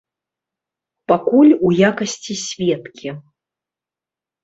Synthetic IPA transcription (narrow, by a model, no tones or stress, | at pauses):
pakulʲujakɐsʲt͡sʲisʲvʲɛt̪kʲi